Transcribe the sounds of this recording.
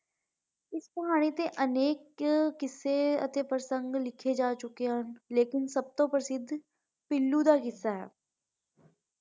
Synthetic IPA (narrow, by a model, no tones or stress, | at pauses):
ɪspɐɦaːɽ̃it̪eʔɐneːkːɪsːeə̰t̪epɾəsə̃ŋɡlɪkʰed͡ʒaːt͡ʃʊkeɦənleːkɪnsɐb̚t̪õpɾəsɪd̪ʱː | pɪlːud̪akɪsːaɦɛ̰ː